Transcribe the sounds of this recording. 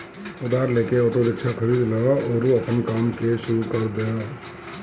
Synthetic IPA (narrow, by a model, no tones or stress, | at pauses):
ʊd̪aːɾleːkeɔːʈoɾɪkʃakʰɐɾiːd̪lɐaɔːɾuɐpənkaːmkeʃʊɾukɐɾd̪eaː